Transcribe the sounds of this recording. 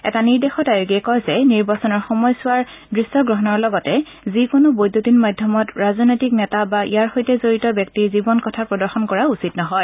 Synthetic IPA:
ɛ̰taniɹdexɔtajoɡiɛkɔjzɛniɹbasɔnɔɹxɔmɔjsʊwaɹdɹisːɔɡɹɔɦɔnɔɹlɔɡɔtɛ | zikʊnobojdotinmadʱjɔmɔtɹaznojtik̚nɛtabaʔḭjaɹxojtɛzoɹitɔbjɔk̚tiɹzibɔnkɔtʰapɹɔdɔɹxɔnkɔɹausitnɔɦɔj

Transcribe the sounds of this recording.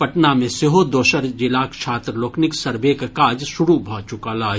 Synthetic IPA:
pɐʈnamẽseɦod̪oːʃəɾd͡ʒilaːkt͡ʃʰaːt̪ɾloːknɪksɐɾbekakaːd͡ʒʃʊɽubʱaːt͡ʃʊkaːlaː

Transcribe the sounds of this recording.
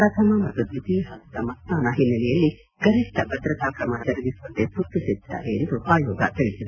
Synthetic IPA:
ɾɐt̪ʰɐmɐmɐt̪ːud̪it̪iɦaːɡid̪ɐmɐst̪aːnɐɦinːɐlɛjɐlːi | ɡɐɾiʂʈʰɐbʱɐd̪ɾɐt̪aːkɾɐmɐt͡ʃɐɾɐɡisʋɐnt̪ːesut̪ːusɛd̪ːa̰ːɾejɐnd̪upaːjɔːɡɐ̰t̪iɭisid̪e

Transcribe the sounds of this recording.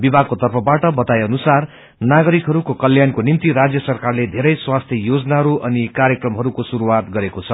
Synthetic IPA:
bibʱaɡ̚kot̪ʌrpʰʌbaʈʌbʌt̪ajʌnusar | naɡʌɾikɦʌɾukokʌljankonimt̪iɾad͡zjʌsʌrkarled̪ʱeɾʌjswast̪ʰjʌjod͡znaɦʌɾuʔʌnikaɾjekrʌmɦʌɾukosuɾuwat̪ɡʌɾekot͡sʰʌ

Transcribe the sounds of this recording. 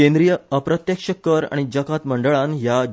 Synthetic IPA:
ẽnd̪ɾijəəpɾət̪jekʂəkəɾa̰ɽ̃id͡ʑəkʰat̪məɳɖəɭãnja

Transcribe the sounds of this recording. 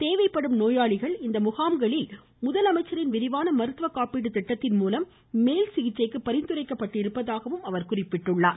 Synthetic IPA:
t̪eːʋɐɪpːɐɽɯmnoːjaːɭɪɣɐɭɪnd̪ɐmʊɣaːmɡɐɭɪl | mʊðɐlɐmɐɪt͡ʃːɐɾɪnʋɪɾɪʋaːnɐmɐɾɯt̪ʋɐkːaːpiːɽɯt̪ɪʈːɐt̪ːɪnmuːlɐmː | eːlsɪɣɪt͡ʃːɐɪkːɯpːɐɾɪnd̪ɯɾɐɪkːɐpːɐʈːɪɾɯpːɐðaːɣɐʋɯmɐʋɐɾkʊrɪpːɪʈːɯɭːaːɾ

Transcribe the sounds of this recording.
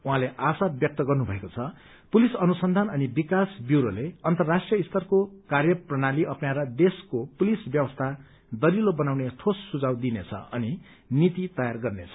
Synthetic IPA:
uɦãleʔasabjʌk̚t̪ʌɡʌrnubʱʌekot͡sʰʌ | pulisʌnusʌnd̪ʱanʌnibikasbjuwɾoleʌnt̪ʌrːasʈrijʌist̪ʰʌrkokarjʌprʌnaliʔʌpnaɾʌd̪eskopulisbjʌbʌst̪ʰa | d̪ʌlilobʌnawnet̪ʰosːud͡zawd̪inet͡sʰʌ̰ʌni | nit̪it̪ʌjarɡʌrnet͡sʰʌ̥

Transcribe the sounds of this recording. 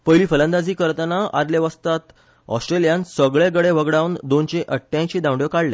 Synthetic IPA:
pəjliːfəlãnd̪ad͡ziːkəɾt̪ənaaɾleʋəst̪at̪ | ɔ̰sʈɾelijansəɡɭeɡəɽeʋəɡɽawnd̪ont͡ɕeʔəʈʰːjãɕiːd̪ãwɖjokaɽle

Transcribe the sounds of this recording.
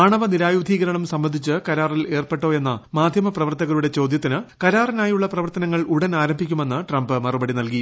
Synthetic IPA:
aːɳɐʋɐniɾaːjud̪ʱiːɣɐɾɐɳɐmsɐmbɐnd̪ʱit͡ɕːɨkɐɾaːrile̞ːrpe̞ʈːo̞ːe̞nːɐmaːd̪ʱjɐmɐprɐʋɐrt̪ːɐɣɐɭuɽe̞t͡ɕo̞ːd̪jɐt̪ːinɨkɐɾaːrinaːjuɭːɐprɐʋɐrt̪ɐnɐŋːɐɭuɽɐnaːɾɐmbʱikʲːume̞nːɨʈrɐmbɨmɐrubɐɽinɐlki

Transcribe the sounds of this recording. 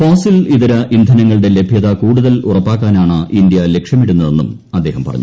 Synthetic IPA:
foːsiliðɐɾɐʔind̪ʱɐnɐŋːɐɭɽe̞le̞bʱjɐðɐkuːɽuðɐlurɐpːaːkːaːnaːɳɨind̪ijɐle̞kʂjɐmiɽunːɐðe̞nːṵm | ɐd̪ːe̞ːɦɐmpɐrɐ̰ɲːu

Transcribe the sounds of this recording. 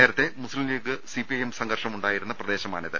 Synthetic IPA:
eːɾɐt̪ːe̞muslimeːkːɨsipiɐjemsɐŋɡɐrʂɐmuɳɖaːjiɾunːɐprɐd̪e̞ːɕɐma̰ːniðɨ̰

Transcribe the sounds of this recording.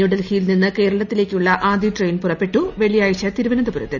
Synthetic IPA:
uɽɐlhiːlninːɨke̞ːɾɐɭɐt̪ːile̞ːkʲːuɭːɐʔaːd̪iʈrejnpurɐpːe̞ʈːuʋe̞ɭijaːjt͡ɕːɐt̪iɾuʋɐnɐnd̪ɐpuɾɐ̰t̪ːil

